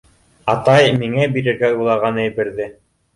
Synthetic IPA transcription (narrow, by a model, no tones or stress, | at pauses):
ɑt̪ɑjmiŋæbiɾɘ̆ɾɡæulˠɑɾʁɑnɘjbɘ̆ɾðɘ